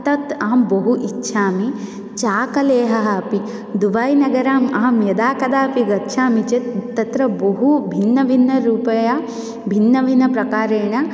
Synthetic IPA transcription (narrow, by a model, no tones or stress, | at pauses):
t̪ɐt̪aːmbɐɦuʔitːʃʰaːmi | t͡ʃaːkɐleːɦɐɦɐɐpi | d̪uʋaːjnɐɡɐɾaːmaːmjɐd̪aːkɐd̪aːpiɡɐtːʃʰaːmit͡ʃet̪t̪ːɐt̪ɾɐboɦubʱinːɐʋʱinːɐɾuːpɐja | bʱinːɐʋʱinɐpɾɐkaːɾeːɳɐ